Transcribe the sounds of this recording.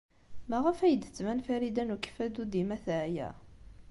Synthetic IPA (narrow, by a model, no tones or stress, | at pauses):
mæʁəfæjəd̪ə̥t͡sːmænfæɾid̪ænukfæd̪ud̪imæθæʕjæ̰